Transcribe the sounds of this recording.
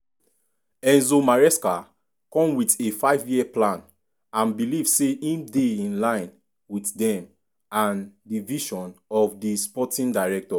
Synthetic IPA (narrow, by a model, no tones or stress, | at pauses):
ɛ̃nzomaɹɛska | kɔ̃mwitefaɪvjiɛplãn | ãnbilivseʔĩndeĩnlãɪ̃n | wiθdɛ̃m | ãndiviʃɔ̃nɔvdispɔtĩndaɪɹɛk̚tɔ